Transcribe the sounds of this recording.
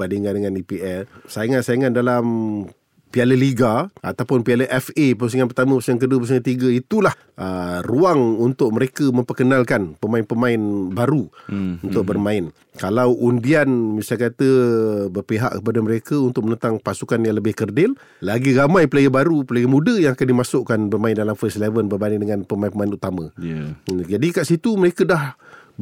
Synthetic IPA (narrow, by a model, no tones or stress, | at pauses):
b̥andiŋandəŋanipiʔɛlsajŋasajəŋandalam | pialəliɡaʔa̰t̪awpʊnpialəʔɛfepəus̬əŋanpərt̪aməpsəŋaŋkəduəpəs̬ŋat̪iɡəit̪ulah | ʔəruaŋunt̪ʊʔ̚məɾekəmə̃mpərkənalkanpəmaɪnpəmaɪnbaɾuunt̪ʊʔ̚bərmãɪn | kalawʔundianbisakat̪əbərpiɦa̰ʔkəpadaməɾekəunt̪ʊk̚mənə̃nt̪aŋpasukanjaŋləbɪhkərdɪlː | aɡiɾamãjpəlaɡəbaɾupəlaɡəmũdəjaŋakandimasʊʔkanbərmaɪndalamfəslevənbərbanidəŋanpəmaɪnpəmaɪnut̪amə̃ | d͡ʒadikaʔsit̪uməɾekədah